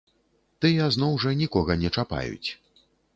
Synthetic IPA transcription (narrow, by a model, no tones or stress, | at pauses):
t̪ɨjɐznɔwʐɐnʲikɔɣɐnʲɛt͡ʂapa̰jṵt͡sʲ